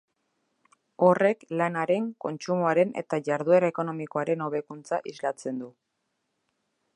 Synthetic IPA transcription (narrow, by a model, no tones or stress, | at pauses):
o̞re̞klanaɾe̞ŋko̞nt͡ʃumoaɾe̞ne̞̰t̪aʝaɾðue̞ɾaeko̞no̞miko̞aɾe̞no̞β̞e̞kunt͡saʔizlat͡se̞nd̪u